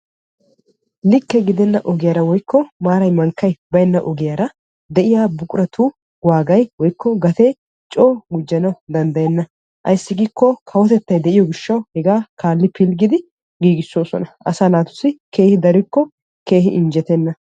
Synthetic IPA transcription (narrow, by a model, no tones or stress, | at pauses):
lɪkːɛɡɪd̪ɛnːɐʔɔɡɪjaːɾɐwɔjkːɔmaːɾɐjmɐŋkːɐjbɐjɛnːɐʔɔɡɪjaːɾɐ | d̪ɛʔɪjaːbʊkʼʊɾɐt̪ʰuː | waːɡɐjwɔjkːɔɡɐt̪e | t͡ʃʼoːɡʊd͡ʒːɐnɐwʊd̪ɐnd̪ɐjɛnːɐ | ʔɐ̰jsːɪɡɪkːɔkʰɐwɔt̪ɛt̪ːɐjd̪ɛʔɪjɔɡɪʃːɐwhɛɡaːkʰaːlːɪpʰɪlɡɪd̪ɪ | ɡiːɡɪsːo̞ːsɔnɐʔɐ̰saːnaːt̪ʊ̥sɪkʰe̞ːhɪd̪ɐɾɪkːɔ | ke̞ːhɪʔɪnd͡ʒɛt̪ɛnːɐ